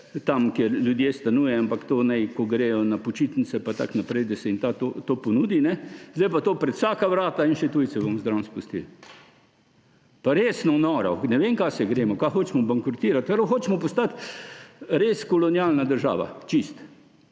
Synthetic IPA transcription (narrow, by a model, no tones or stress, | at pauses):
t̪amkeɾlʲjud̪jeːst̪anujɛampakt̪oːnɛɪkɔɡɾejɔnapɔt͡ʃit̪nisɛpat̪a̰knapɾɛɪd̪ɐsɛint̪at̪ot̪oːpɔnuːd̪inɛzd̪ɛjpat̪oːpɾɛt̪w̥saːkaʋɾaːt̪ainʃɛt̪uj̪sɛbomzd̪ɾawnspust̪ḭl | paɾesnɔnɔɾa̰nɛʋeŋkasɛɡɾeːmɔkaxoːt͡ʃmɔbaŋkɾɔt̪iːɾat̪pɾowxoːt͡ʃmɔpɔst̪at̪ | ɾeskɔlɔnjalnad̪əɾʒa̰ːʋa̰t͡ʃist̪